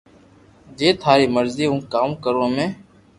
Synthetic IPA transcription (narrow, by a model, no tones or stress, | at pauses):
d͡ʒeːt̪ʰaːɾiːməɾziːũːkaːukəɾõːmẽː